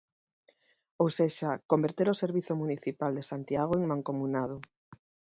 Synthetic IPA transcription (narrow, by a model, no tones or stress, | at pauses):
owseʃakombeɾt̪eɾoseɾβiθomuniθipald̪esant̪jaɣ̞oeŋmãŋkomunað̞o